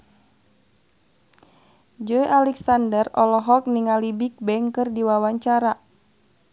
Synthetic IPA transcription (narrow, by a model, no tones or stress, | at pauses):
d͡ʒɔjʔalɛksandərɔlɔɦɔk̚niŋalibik̚bɛŋkɨrdiwawaɲt͡ʃaɾa